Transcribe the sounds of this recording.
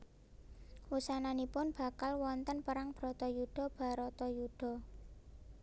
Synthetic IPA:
wusananipʊnb̥ä̤kalwɔnt̪ənpəɾaŋb̥ɾɔt̪ɔjuɖ̥ɔ̤b̥a̤ɾɔt̪ɔjuɖ̥ɔ̤

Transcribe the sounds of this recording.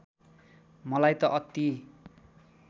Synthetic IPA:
mʌlajt̪ʌʔʌt̪ːi

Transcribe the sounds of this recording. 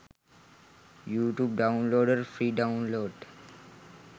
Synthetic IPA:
juːʈjuːb̚ɖãʊ̃nloːɖəɾfɾiːɖãʊ̃nloːɖ

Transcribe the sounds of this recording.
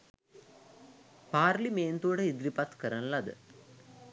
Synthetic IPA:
paːɾlimeːnt̪uəɽəid̪ɾipat̪kəɾənlɐd̪ə̰

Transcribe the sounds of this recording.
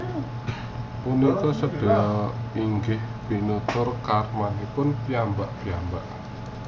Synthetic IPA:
unikɔsəd̥ɔ̤ɔiŋɡɪhb̥inut̪ʊrkarmanipʊnpiambaʔpiambaʔ

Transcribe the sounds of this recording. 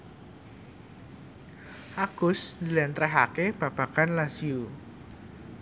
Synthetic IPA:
ʔaɡ̥ʊsnd͡ʒəlɛnt̪ɾɛɦakeb̥ä̤b̥a̤kanlasiu

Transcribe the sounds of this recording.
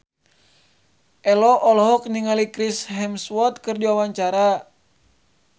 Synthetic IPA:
ʔɛlɔʔɔlɔɦɔk̚niŋalikɾisɦɛmswɔt̪̚kərd͡ʒawawaɲt͡ʃaɾa

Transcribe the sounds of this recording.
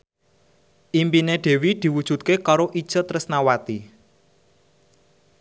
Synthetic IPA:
ʔimpineɖ̪̥e̤wid̪̥i̤wud̥ʒ̥ṳt̪̚kekaɾoʔid̥ʒ̥ə̤t̪ɾəsnawat̪i

